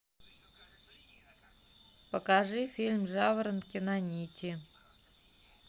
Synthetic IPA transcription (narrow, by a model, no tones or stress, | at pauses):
pəkaʐɨfʲilʲmʐavəɾənkʲɪnanʲitʲɪ